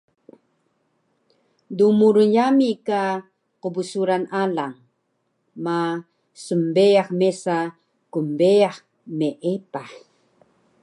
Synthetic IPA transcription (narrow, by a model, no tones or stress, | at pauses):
dumuɾujamika | qubusuɾanalaŋ | ma | səmbeaχmesa | kumbeaχ | meʔepa